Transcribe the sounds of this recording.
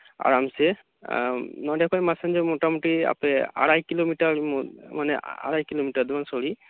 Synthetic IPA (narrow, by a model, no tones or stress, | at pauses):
a̰ɹamsɛ | nɔɖɛkʰɔjmasɛnd͡ʒɛmoʈamuʈia̰pɛa̰ɽajkilomiʈaɹmmanɛa̰ɽajkilomiʈaɾd̪umansoli